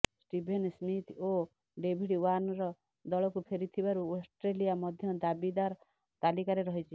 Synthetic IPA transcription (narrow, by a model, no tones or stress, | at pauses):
sʈibʱensmit̪o | ɖebʱiɽiwanɔɾɔ | d̪ɔlɔkupʰeɾit̪ʰibaɾuosʈɾelijamɔd̪ʱjɔd̪abid̪aɾ | t̪alikaɾeɾɔɦit͡ʃʰi